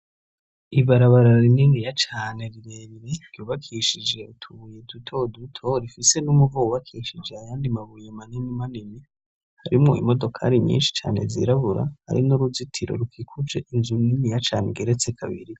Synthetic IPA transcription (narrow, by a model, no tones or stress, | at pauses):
iβaɾaβaɾaɾininijat͡ʃaːne̞ɾiɾe̞ːβiɾe̞ɾɟoːβakʰiːʃid͡ʒe̞utʰuβujedutʰo̞dutʰo̞ɾifise̞numuvouβakʰiːʃid͡ʒeajaːndimaβujemaninimanini | haɾimŋoḭmo̞do̞kʰa̰ɾiɲḭːnʃi̥t͡ʃa̰ːne̞̰zḭɾaβuɾa̰ha̰ɾḭnoɾuzitʰiɾo̞̰ɾukʰiːkʰuvd͡ʒe̞̰ʔinzuninijat͡ʃaːneɡeɾe̞t͡se̞kʰaβḭɾi